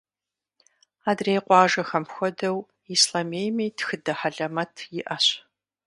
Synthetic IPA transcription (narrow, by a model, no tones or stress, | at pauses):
aːdreːqʷɑːʒɐxɐmxʷɔdɐw | islameːjmiːtxɨdɐħaɮɐmɐtʰjɪʔɐɕ